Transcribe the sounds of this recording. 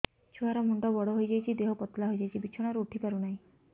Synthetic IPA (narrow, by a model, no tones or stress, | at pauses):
t͡ʃʰuɦaɾɔmuɳɖɔbɔɽɔɦojd͡ʒajt͡ʃʰid̪eɦɔpɔt̪laɦojd͡ʒajt͡ʃʰibit͡ʃʰɔɽ̃ɔɾuuʈʰipaɾunaɦĩ